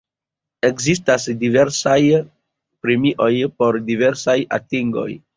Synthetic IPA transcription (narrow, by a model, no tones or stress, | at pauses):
e̞kzis̬tasdive̞ɾsaj | pɾemiʔo̞jpo̞ɾdive̞ɾsaja̰tiŋɡo̞̰j